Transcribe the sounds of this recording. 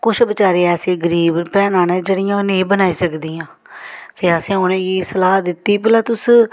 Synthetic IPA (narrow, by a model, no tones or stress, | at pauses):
kʊt͡ʃʰbət͡ʃaːɾeːɛːsẽːɡəɾiːbpɛːnaːneːd͡ʒeːɽɪjãːneːbənaːiːsəkd̪iːãː | t̪eːəsẽːʊnẽːɡiːsəlaːɦd̪ɪt̪ːiːp̬ɪlãːt̪ʊs